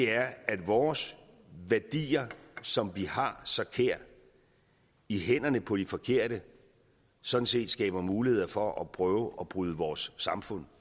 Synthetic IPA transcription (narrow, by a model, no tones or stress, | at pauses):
d̥e̝æɐædʋɒːs | ʋæɐd̥ḭːɐsɒ̽mʋihɑ̈sɒ̽kʰeɐ̰̥ | iɦen̰ɐnəpʰɒ̽d̥ifɒ̽kʰe̝ɐ̰d̥ə | sɒ̽d̥n̩se̝̰ːd̥sɡ̥ɛ̰ːb̥ɐmuːlihe̝ð̰ˠɐfɒ̽ʔɒpʰʁœːʊʔɒ̽b̥ʁyːðˠəʋɒːsːɑ̈mfɔ̽n̰